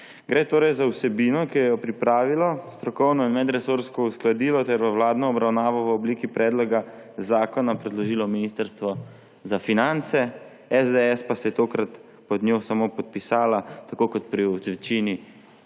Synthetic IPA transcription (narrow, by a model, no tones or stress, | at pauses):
ɡɾeːt̪oːɾɛjzawsɛbiːnɔkijɛjɔpɾipɾaːʋilɔst̪ɾɔkɔwnɔinmɛd̪ɾɛsoɾskɔusklad̪iːlɔt̪ɛɾbawlaːd̪nɔːbɾawnaːʋɔʋəɔbliːkipɾɛːd̪lɔɡa | zaːkɔnapɾɛd̪lɔʒiːlɔminist̪əɾst̪ʋɔ | zafinant̪sɛ | ɛzd̪eɛspasɛjɛt̪oːkɾat̪ | pɔd̪nʲoːsamopɔt̪̚pisaːlat̪akoːkɔt̪pɾiɔʋɛt͡ʃini